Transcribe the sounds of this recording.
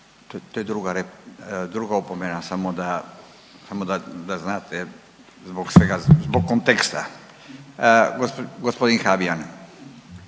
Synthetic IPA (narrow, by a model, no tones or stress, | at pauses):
t̪ot̪ojed̪ɾuɡaɾed̪ɾuɡaupomenasamod̪a | samod̪ad̪aznaːt̪ʰɛ | zboksʋeɡazbokːont̪ekst̪a̰ | ɡoɡospod̪inxabian